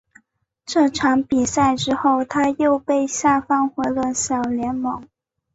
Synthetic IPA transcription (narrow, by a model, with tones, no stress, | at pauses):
ʈ͡ʂɤ˥˩ʈ͡ʂʰɑ˧˥ŋpi˨˩sa˥˩ɪʈ͡ʂɻ̩˥xo˥˩ʊt̪ʰa˥jo˥˧ʊpe˥˧ɪɕja˥˩fɑ˥˩ŋxwe˧˥ɪlə˧ɕjɑ˨˩ʊljɛ˧˥nmɤ˧˥ŋ